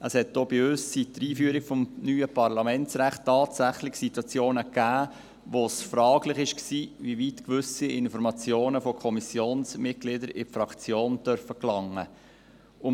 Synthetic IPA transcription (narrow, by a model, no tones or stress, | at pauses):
əshɛtd̥oːbɪøsːid̥əɾiːfyːəɾɪkfɔmnyːəpɑɾlɑmɛnsɾæχtːɑːtsæχlɪχsitwɑt͡sjoːnəkːæː | ʋosfɾɑːɡlɪχɪʃksiːviʋitkʋʏsiɪnfɔɾmɑt͡sjoːnəfɔkʰɔmisjoːnsmɪt̚ɡ̥lɪdəɾɪfɾɑkt͡sjoːndœɾfəklɑŋːə | ʊ